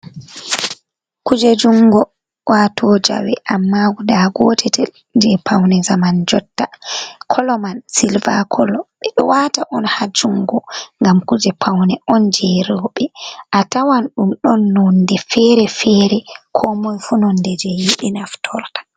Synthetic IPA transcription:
kud͡ʒed͡ʒuŋɡɔ | wʔatʰɔd͡ʒa̰wɛʔamːaɡudaɡɔtʰɛtɛl | d͡ʒɛpʰawnɛzamand͡ʒɔtːakʰɔlɔmansilva̰kʰɔlɔɓɛɗɔ̰wataʔɔnhad͡ʒuŋɡɔŋɡamkud͡ʒɛpʰawnɛʔɔnd͡ʒɛɾɔɓɛʔatawanɗumɗɔnːɔndɛfɛɾɛfɛːɾɛkʰɔmɔjfunɔndɛd͡ʒɛjiɗinaftʰɔɾtḁ

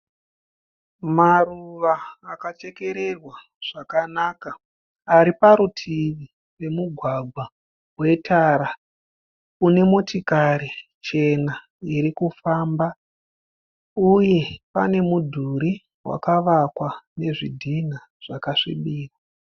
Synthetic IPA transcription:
maruʋaːkat͡ʃe̞ke̞ɾe̞rwa | ʐ̥akanaːkaː | ɾipaɾutʰiʋi | we̞muɡʱwaɡʱwa | we̞tʰaːɾa | une̞motikaɾi | t͡ʃe̞na | iɾikufaːmba | uje̞pa̰ne̞mudʱuɾi | wa̰kaʋakwane̞ʐidʱina | ʐ̥akaʂḭɓiːrwa

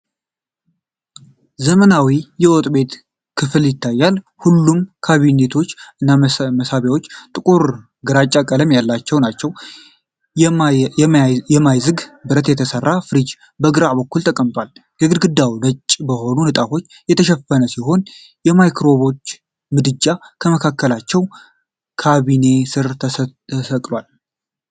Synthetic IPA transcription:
zəmənawijɛwɔt̪ʼbe̞t̪ | kʰɨfɨljɪt̪ʰːajːal | hulːumkʰaβine̞t̪ʰo̞t͡ʃːɨnːaməsaβjawo̞t͡ʃːt̪ʼɨkʼuɾ | ɡɨɾat͡ʃʼːakʼələmjalːat͡ʃːɛwnat͡ʃːɛw | ɛmajzɨɡbɨɾət̪jɛt̪ʰəsərːafɨɾid͡ʒ | bəɡɨɾabəkːult̪ʰʼəkʼəmt̪ʼwal | jɛɡɨd̪ɡɨd̪ːawlət͡ʃʼːbəho̞nunɨt̪ʼafo̞t͡ʃːjɛt̪ʰəʃɛfənəsiɦo̞n | jɛmajkɾo̞βo̞t͡ʃː | mɨd̪ɨd͡ʒakʰəməkʰakʰːəlat͡ʃːɛw | kʰaβine̞sɨɾʰəsəkʼlwal

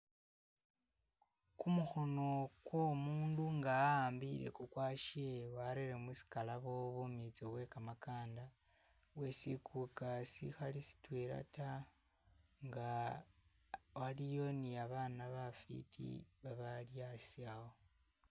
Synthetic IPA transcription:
kumuxo̞no̞kwomuːnduŋɡaːaːmbiɾe̞̰kukwaːʃiewaɾeɾemusi̥kalaβo̞βumit͡siβwe̞kamakaːnda | we̞sikʰukasḭxalisi̥tweɾa̰ta | ŋɡa | walijo̞niaβaːnaβafḭtʰḭβaβaljasiaho

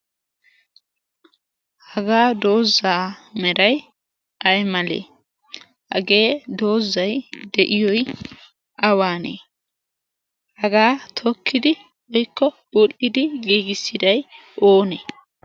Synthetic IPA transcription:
hɐɡaːd̪o̞ːzːaːmɛɾɐj | ʔɐjmɐlḛː | hɐ̰ɡeːd̪o̞ːzːɐjd̪ɛʔɪjɔj | ɐwaːnḛː | hɐɡaːt̪ʰɔkʰːɪd̪ɪ | ɔjkːɔbulɪd̪ɪɡiːɡɪsːɪd̪ɐj | ʔoːne

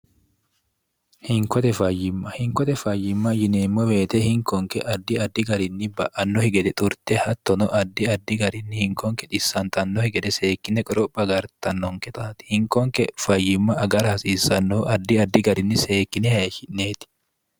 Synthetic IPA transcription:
hɪŋkɔt̪ɛfɐjːɪmːɐhɪŋkɔt̪ɛfɐjːɪmːɐjɪnemːɔwe̞ːt̪ɛhɪŋkɔŋkɛʔɐd̪ːɪɐd̪ːɪɡɐɾɪnːɪbɐ̰ʔɐnːɔhɪɡɛd̪ɛt̪ʼʊɾt̪ɛhɐt̪ːɔnɔʔɐd̪ːɪɐd̪ːɪɡɐɾɪnːɪhɪŋkɔŋkɛᶑ̪ɪsːɐnt̪ɐnːɔhɪɡɛd̪ɛse̞ːkːɪnːɛkʼɔɾɔpʼːɐɡɐɾt̪ɐnːɔŋkɛt̪ʼaːt̪ɪ̥hɪŋkɔŋkɛfɐjːɪmːɐʔɐɡɐɾɐhɐsiːsɐnːɔʔɐd̪ːɪɐd̪ːɪɡɐɾɪnːɪse̞ːkːɪnɛhɐʃɪnneːt̪ɪ̥

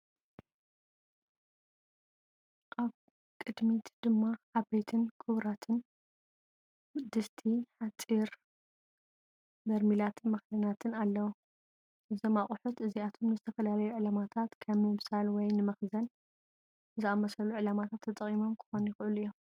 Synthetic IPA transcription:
ʔaβ | kʼɨd̪mit̪d̪̥ɨmːaʔaβbejt̪ʰɨnkʰɨβɾat̪ʰɨn | d̪ɨst̪ʰiħat͡sʼiɾ | b̪ɐɾmilat̪ʰmɐxdɐnat̪ʰɨnalːɐwu | ʔɨzomaχʼʊħut̪ʔɨziat̪ʰo̞mnɨzɨt̪ʰɐfɐlalɐjuʕɨlamat̪ʰat̪kʰɐmɨβsalwɔjnɨmɐxzɐn | zɨamɐsɐluʕɨlamat̪ʰat̪ʰːɐt̪ʼɐχʼimo̞mkʰɨ̥xo̞nujɪxʔɨluɨjːo

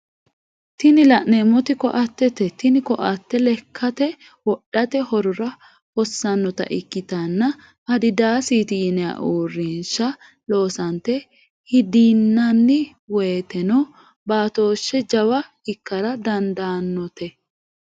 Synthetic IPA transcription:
t̪ɪnɪlɐʔneːmɔt̪ɪkɔ̰ʔɐt̪ːɛt̪ɛt̪ɪnɪkɔʔɐt̪ːɛlɛkʰːɐt̪ɛ | wɔɗːɐt̪ɛhɔɾʊɾɐ | hɔsːɐnːɔt̪ɐ̰ʔɪkːɪt̪ɐnːɐ | ɐd̪ɪd̪aːsiːt̪ɪjɪnɛa̰ʔuːrːɪnʃɐ | lo̞ːsɐnt̪ɛ | hɪd̪iːnːɐnːɪ | weːt̪ɛnɔ | baːt̪o̞ːʃːɛd͡ʒɐwɐ | ɪkːɐɾɐd̪ɐnd̪aːnːɔt̪ɛ

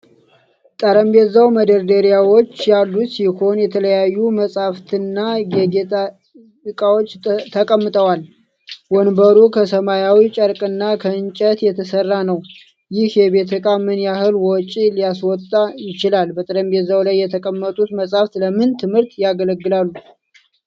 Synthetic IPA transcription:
t̪ʼəɾəmbezawməd̪əɾd̪əɾijawo̞t͡ʃːjalːusiho̞njɛt̪ʰələjajːuməsʼhaft̪ʰɨnːaɡeɡet̪a | ɨkʼawo̞t͡ʃːt̪ʰəkʼəmːɨt̪ʼəwal | wɔnbəɾukʰəsəmajawit͡ʃʼəɾkʼɨnːakʰəɨnt͡ʃʼət̪jɛt̪ʰəsərːanəw | jɪhjɛbe̞t̪ʰəkʼamɨnjahɨlwɔt͡ʃʼilijaswɔt̪ʼːajɪt͡ʃɪlalbət̪ʼəɾəmbezawlajːɛt̪ʰəkʼəmːət̪ʼut̪məsʼhaft̪ləmɨnt̪ʰɨmɨɾt̪jaɡələɡːɨlalːu

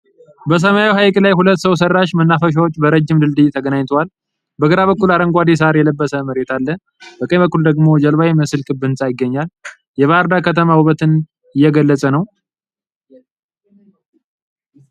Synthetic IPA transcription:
bəs̬əmajwɦajkʼlajhulət̪ːsəws̬ərːaʃmənːafəʃ̬wot͡ʃːbəɾəd͡ʒːɪmd̪ɨld̪ɨjt̪ʰəɡənaɲt̪ʰəwal | bəɡəɾaβəkːulaɾəŋɡʷad̪es̬aɾjɛləbːəsəməɾet̪ʰalːə | bəkʼəbəkːuld̪əɡmo̞d͡ʒəlβajeməsɨlkʼɨbːɨnsʼajɪɡːəɲːal | jɛβaɾd̪akʰət̪ʰəmawuβət̪ɨn | ɨjːɛɡəlːət͡sʼənəw

